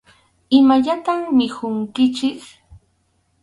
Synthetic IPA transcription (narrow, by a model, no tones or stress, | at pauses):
ɪmaʎat̪ammɪhʊŋkɪt͡ʃɪk